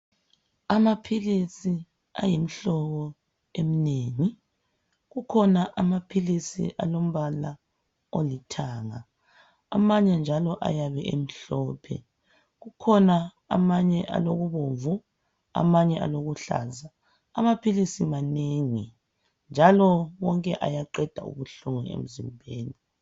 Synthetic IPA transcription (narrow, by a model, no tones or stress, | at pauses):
amapʰilisi | a̰jim̩ɬɔɣɔ | emineːŋi | ɣukʰɔnaʔamapʰilisḭʔa̰lom̩βala | olitʰaːŋa | a̰maɲɛnd͡ʒʱalɔʔa̰jaβɛʔḛm̩ɬɔːpʰɛ̰ | ɣukʰɔna | a̰maɲɛʔa̰loɣuβoɱvu | a̰maɲɛʔa̰loɣuɬa̰za | a̰mapʰilisimaneŋi | nd͡ʒʱalɔwɔŋkʼɛʔa̰jaǃɛd̥ʱaṵɣuɬuŋɛḛm̩zimbʱeːni